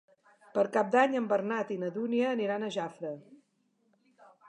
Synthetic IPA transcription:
pəɾkap̚d̪aɲəmbərnat̪inəðuniəːniɾanəʒafɾə

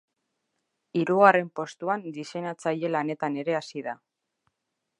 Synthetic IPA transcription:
iɾuɣare̞mpo̞st̪uand̪isenat͡saje̞lane̞t̪ane̞ɾe̞asiða

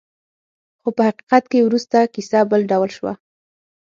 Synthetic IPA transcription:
xopəhaqi̥qat̪̚kewɾust̪akisabəlɖawlʃwa̰

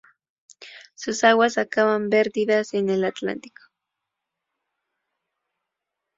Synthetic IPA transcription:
susawasakawampeɾd̪iðasenelat̪la̰nt̪i̥ko̥

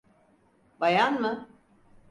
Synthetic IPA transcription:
bajanmɯ

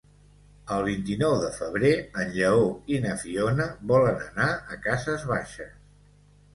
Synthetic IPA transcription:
əlˠβ̞int̪inɔwðəfəβ̞ɾeənʎəoinəfionəβɔlənənaəkazəzβaʃəs

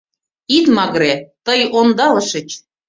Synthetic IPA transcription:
it̪mɑɣɾet̪əjond̪ɑlɤ̆ʃə̆t͡ɕ

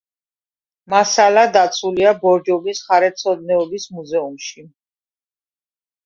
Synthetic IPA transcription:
masalad̪at̪sʰuliabɔɾd͡ʒɔbisχaɾɛt̪sʰɔd̪nɛɔbismuzɛumʃi

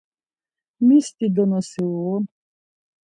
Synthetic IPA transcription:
mʲist̪id̪ɔnɔsɪlˠɔ

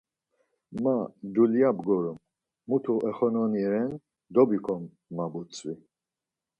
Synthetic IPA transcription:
mad̪uljabɡɔɾumː | ut̪ʰuʔɛχɔnɔniɾɛn | d̪ɔbikʰɔmː | abut͡sʰʼvi

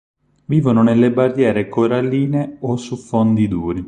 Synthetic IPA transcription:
viːvonʊnelːebarjɛːɾekoɾalːiːneosufond̪id̪uːɾi

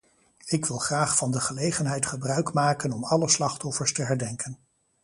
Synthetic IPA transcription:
ɪkʋɪlˠχraːχfɑndəχəlejχənɦɛjtχəbrœɥkmaːkənɔmɑləslɑχtɔfəɹstəɦɛɹdɛŋkən

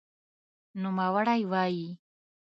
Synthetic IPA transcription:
nʊmawaɽajwaji

